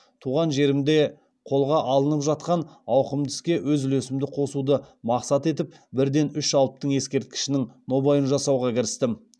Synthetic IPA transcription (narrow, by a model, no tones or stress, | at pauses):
t̪ʰuʁɑnʒe̞ɾɪmd̪e̞ | qʰo̞lˠʁɑʔɑlˠənəpʒɑt̪̚qɑnɑwqəmd̪ɪ̥skʲe̞wɵzʏlesɪmd̪ɪqʰo̞sud̪əmɑqsɑt̪e̞t̪ɪp̚ | bɪɾd̪e̞nʏʃɑlˠəp̚t̪əɴje̞skʲe̞ɾt̪̚kʲɪ̥ʃɪnɪŋno̞bɑjənʒɑsɑwʁɑkʲʰɪɾɪst̪ɪ